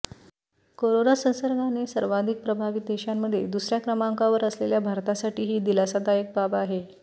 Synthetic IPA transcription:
koɾonasə̃ñsəɾɡanesəɾʋad̪ʱik̚pɾəbʱaʋit̪̚d̪eɕamːəd̪ʱːjed̪usɾjakɾəmaŋkaʋəɾəsleljabʱaɾt̪asaʈiːɦiːd̪ilasad̪ajək̚babaɦe

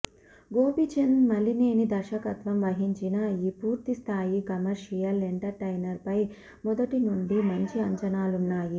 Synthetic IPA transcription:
ɡoːpit͡ʃenmɐlːine̞ːnid̪ɐɾʃɐkɐt̪ʋɐmʋɐɦiɲt͡ʃinɐiːpuːɾt̪ist̪ʰaːjikɐmɐɾʃijɐleɳʈɐɾʈɐjnɐɾpɐj | mɔd̪ɐʈinuɳɖimɐɲt͡ʃiɐɲt͡ʃɐnaːlunːaːji

